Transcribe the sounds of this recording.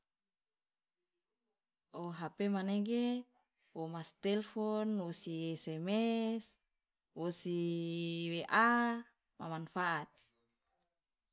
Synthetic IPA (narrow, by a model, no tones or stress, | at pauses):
ʔoɦapemaneɡe | womast̪ɛlfɔnwosiɛsɛmɛs | wosi | weʔa | ma̰manfaʔat̪̚